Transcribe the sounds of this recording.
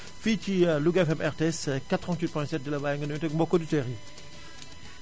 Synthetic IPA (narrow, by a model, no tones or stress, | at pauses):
fit͡ʃiluɡɛfɛmʔɛʁt̪eɛskat̪ʁɑ̃nt̪wit̪̚pwɛ̃sɛt̚d̪əlabajɛ̃ŋɡənɛ̃t̪ɛk̚mbɔkodyteʁi